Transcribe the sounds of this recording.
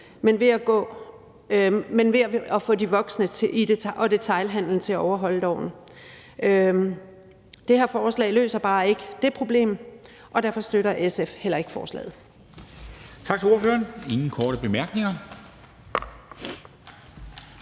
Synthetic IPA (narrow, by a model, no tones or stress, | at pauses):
menʋe̝æɡ̥ɔ̰̽ː | menʋe̝ɒfɔ̰̽ːdiʋɒ̽ɡ̥snət͡sʰideʔɒ̽d̥e̝t͡sʰɑ̈ɪlɦæn̰ln̩t͡sʰe̝æɒʊɐɦɒ̽l̰əd̥ɒ̰ʊ̰n̩ | d̥e̝hæɐfɒːslɛ̰ɪlø̰ːsɐb̥ɑ̈ːe̝ɡ̥əd̥e̝pʰʁo̝b̥le̝̰ːm | ʔɒ̽d̥æɐfɒ̽sd̥øɾɐʔesefhel̰ɐe̝ɡ̥ə̥fɒ̰ːslɛ̰ːð̞̩ˠ | t͡sʰɑ̈ɡ̥t͡s̝ʰo̝ɐføːɐne̝ŋn̩kʰɒːɾ̥əb̥e̝mæɐ̰ɡ̥ne̝ŋɐ